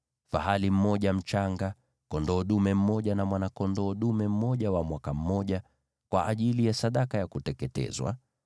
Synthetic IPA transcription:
fa̰halim̩mɔʄam̩t͡ʃaŋɡa | kɔndɔːɗumɛm̩mɔʄanamwanakɔndɔːɗumɛm̩mɔʄawamwakam̩mɔʄa | kwa̰ʔːʄilijasaɗakajakutɛkɛtɛ̰zwa̰

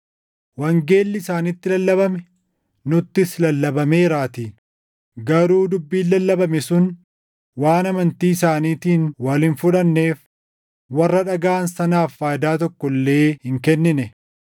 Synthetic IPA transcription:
wɐŋɡe̞ːlːɪɪsaːnɪt̪ːɪlɐlːɐβɐmɛ | nʊt̪ːɪslɐlːɐbɐme̞ːɾaːt̪ɪ | ɡɐɾuːd̪ʊbːiːlːɐlːɐbɐmɛsʊn | waːnɐmɐnt̪iːɪsaːniːt̪iːnwɐlɪnfʊᶑɐnːe̞ːf | wɐrːɐᶑɐɡaːnsɐnaːfːaːd̪aːt̪ɔkːɔlːe̞ːhɪŋkɛnːɪnɛ

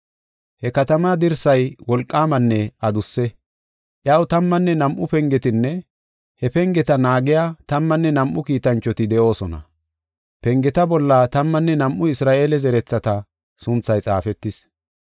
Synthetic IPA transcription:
hɛkɐt̪ɐmad̪ɪɾsɐjwɔlkʼːaːmɐnːɛɐd̪ʊsːɛ | ʔjɐwt̪ɐmːɐnːɛnɐmʔʊpɛŋɡɛt̪ɪnːɛ | hɛpɛŋɡɛt̪ɐnaːɡɪjaːt̪ɐmːɐnːɛnɐmʔʊkiːt̪ɐnt͡ʃːɔt̪ɪd̪ɛʔo̞ːsɔnɐ̰ | pɛŋɡɛt̪ɐbɔlːɐt̪ɐmːɐnːɛnɐmʔʊɪsɾaːʔeːlɛzɛɾɛt͡sːɐt̪ɐ | sʊnt͡sːɐjt͡sʼa̰ːfɛt̪ːɪs

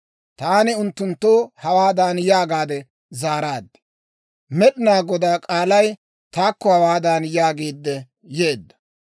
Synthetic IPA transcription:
t̪aːnɪʊnt̪ːʊnt̪ːoːhɐwaːd̪aːnjaːɡaːd̪ɛ | zaːɾaːd̪ːɪ̥ | mɛɗɪnaːɡɔd̪aːkʼaːlɐj | t̪aːkːɔhɐwaːd̪aːnjaːɡeːd̪ːɛ | je̞ːd̪ːɐ̥

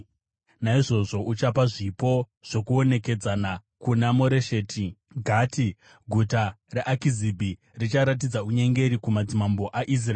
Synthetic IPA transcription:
naiʐo̞ʐo̞ʔut͡ʃapaʐipo̞ | ʐ̥o̞kuo̞ne̞ke̞d͡zanakunamo̞ɾeʃe̞ːtʰi | ɡʱaːti | ɡʱutareʔakizibʱi | rit͡ʃaɾat̬id͡zauɲe̞ŋɡe̞ɾikumad͡zimambo̞ʔaʔis̬raeː

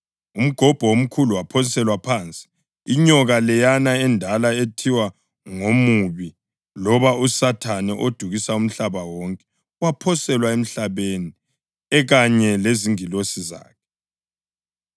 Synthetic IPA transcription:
um̩ɡ̥ʱɔb̥ʱɔwom̩kʰuluwapʰɔnisɛlwapʰaːnt͡sʼi̥ | iɲɔɣalɛjanaɛndʱalaetʰiwa | ŋomuβi | lɔβausatʰanɛʔod̥ʱuɣisaum̩ɬaβawɔŋkʼɛ̥ | wapʰɔsɛlwaem̩ɬaβeni | ɛɣaɲɛleziŋilosiza̰ːkʰɛ

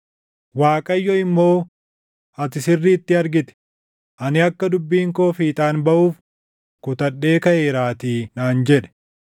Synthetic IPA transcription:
waːkʼɐjːɔɪmːo̞ː | ɐt̪ɪsɪrːiːt̪ːɪɐɾɡɪt̪ɛ̥ | ʔɐnɪɐkːɐd̪ʊbːiːŋko̞ːfiːt̪ʼaːnbɐʔuːf | kʊt̪ɐɗːe̞ːkɐʔeːɾaːt̪iːnaːnd͡ʒɛᶑɛ̥

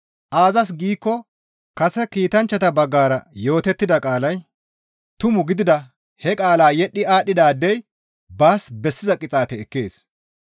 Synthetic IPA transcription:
ʔaːzɐs̬ɡiːkːɔ | kɐsɛkiːt̪ɐnt͡ʃːɐt̪ɐbɐɡːaːɾɐjo̞ːt̪ɛt̪ːɪd̪ɐkʼaːlɐj | t̪ʊmʊɡɪd̪ɪd̪ɐ | hɛkʼaːlaːjɛɗːɪaːɗɪd̪aːd̪ːɛj | baːsbɛsːɪzɐkʼɪt͡sʼaːt̪ɛɛkːḛːs

